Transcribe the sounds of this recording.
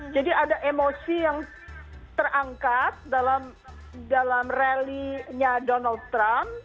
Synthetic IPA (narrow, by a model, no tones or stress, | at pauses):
d͡ʒadiadaʔemosijaŋ | t̪ərʔaŋkat̪̚dalam | dalamreliɲadonald̚t̪ɾamp